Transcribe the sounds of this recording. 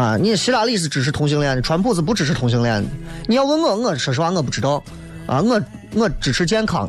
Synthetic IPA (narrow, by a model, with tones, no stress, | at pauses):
ɐ˧ni˧˥˧ɕi˧˥t̪a˨˩˥li˥˩s̬ɹ̩˧˩ʈ͡ʂɻ̩˨˩ʂ̬ʰɻ̩˥˩t̪ʰʊ˧˥ŋɕ̬i˥ŋljɛ˥˩nd̪ə˩ʈ͡ʂʰwa˧˥npʰu˥˩t͡sɹ̩˩p̬u˧˥ʈ͡ʂɻ̩˨˩ʂ̬ʰɻ̩˥t̪ʰʊ˧˥ŋɕ̬i˧˥ŋljɛ˥˩nd̪ə˨˩ | ni˨˩jɑ˥˩ʊwə˥nŋɤ˥˧ŋɤ˥˩ʂɤ˨˩ʂ̩˧˥wa˥˧ŋɤ˥˧pu˥˩ʈ͡ʂɻ̩˧˩t̪ɑ˥ʊ | a̰˧ŋɤ˥˩ | ŋɤ˥˩ʈ͡ʂɻ̩˨˩ʈ͡ʂʰɻ̩˥t͡ɕjɛ˥nkʰɑ̰˨˧˩ŋ